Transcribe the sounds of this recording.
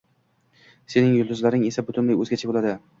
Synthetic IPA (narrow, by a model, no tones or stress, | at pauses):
se̞nɪŋjʊlˠd̪ʊzlaɾɪŋe̞sabʊt̪ʰʊnlajɵzɡʲat͡ʃʰabolad̪ɪ